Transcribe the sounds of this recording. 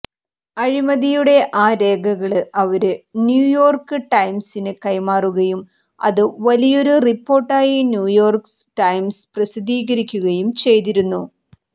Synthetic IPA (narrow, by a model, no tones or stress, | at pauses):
ɐɻimɐðijuɽe̞ʔaːɾe̞ːɡʱɐɣɐɭɨʔɐʋɐɾɨnjuːjo̞ːrkɨʈɐjmsinɨkɐjmaːruɣɐjum | ɐ̰ðɨʋɐlijo̞ɾuripːo̞ːrʈːaːjinjuːjo̞ːrks | ʈɐjmsprɐsid̪ʱiːɣɐɾikʲːuɣɐjumt͡ɕe̞jt̪iɾunːu